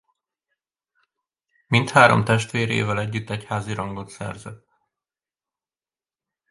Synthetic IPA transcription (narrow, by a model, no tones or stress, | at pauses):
mint̪haːɾo̞̰mt̪ɛʃt̪ʋeːɾḛːvɛlɛɟːyt̪ːɛchaːziɾɒŋɡo̞t̪sɛ̰rzɛt̪